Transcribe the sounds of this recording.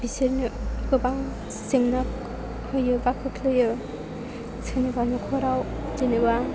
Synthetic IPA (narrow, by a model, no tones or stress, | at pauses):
biseɾnɯkɯbaŋ | seŋnak̚ | hɯjɯbakʰɯkʰlɯjɯ | senɯbanukʰɔɾaw | d͡ʒenɯba